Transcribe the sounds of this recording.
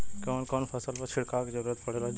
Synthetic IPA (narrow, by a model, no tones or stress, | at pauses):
koːnkoːnpʰɐsəlpət͡ʃʰɪɽkakid͡ʒəɾuɾət̪pɐɽeɾa